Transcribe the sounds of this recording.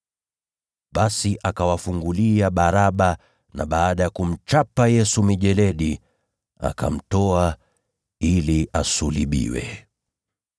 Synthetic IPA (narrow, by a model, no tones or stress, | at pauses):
ɓasiʔakawafuŋɡuliaɓaɾaɓa | na̰ɓaːɗajakum̩t͡ʃapajɛsumiʄɛlɛɗi | a̰ka̰m̩tɔa | iliʔasuliɓḭwɛ̰